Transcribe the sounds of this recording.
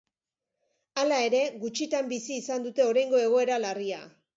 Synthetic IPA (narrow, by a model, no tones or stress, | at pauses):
alae̞ɾe̞ɣut͡ʃit̪ambisiːsand̪ut̪e̞o̞ɾajŋɡo̞e̞ɣ̞o̞e̞ɾalaria̰